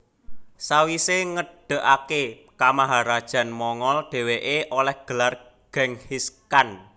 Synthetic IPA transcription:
sawiseŋəɖ̥ə̤ʔake | kamaɦaɾad̥ʒ̥a̤nmɔŋɔlɖ̥e̤weʔeʔolɛhɡ̥ə̤lar | ɡ̥ɛ̤ŋhiskan

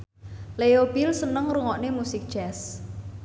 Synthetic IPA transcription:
leobilsənəŋruŋɔʔnemusɪk̚d̥ʒ̥ɛs

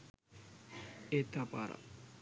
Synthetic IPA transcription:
et̪ːapa̰ɾa̰

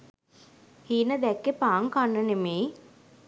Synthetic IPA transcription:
hiːnəd̪ɛkːepaːŋkanːənemeː

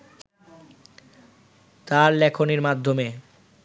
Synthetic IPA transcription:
t̪aɾlɛkʰoniɾmad̪ʱːome

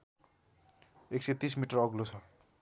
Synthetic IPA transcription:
ekset̪ismiʈʌrʌɡlot͡sʰʌ

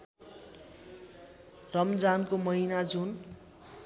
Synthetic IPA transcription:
rʌmd͡zankomʌinad͡zun

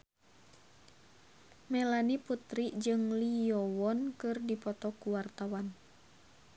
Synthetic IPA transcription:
mɛlaniput̪ɾiʔd͡ʒɨŋliɔwɔnkɨrdipɔt̪ɔkuwart̪awan

